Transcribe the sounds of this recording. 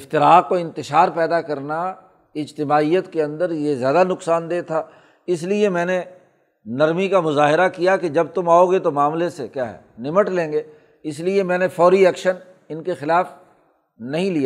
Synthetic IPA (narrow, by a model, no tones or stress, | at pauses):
ɪft̪ɪɾaːk̚koɪ̃nt̪ɪʃaːɾpɛːd̪akɐɾna | ɪd͡ʒt̪ɪmaːijət̪keɐ̃nd̪əɾjezjaːd̪anʊksaːnd̪eːt̪ʰaː | ɪs̬liemɛ̃ːne | nɐɾmikamʊzaːɦɪɾakijaked͡ʒɐb̚t̪ʊmaːoɡet̪omaːmlesekjaːɦɛ̰ːnɪməʈlẽːŋɡeː | ɪsliemɛ̃ːnefɔːɾiɛːkʃən | ɪnkexɪlaːf | nɐɦĩlijaː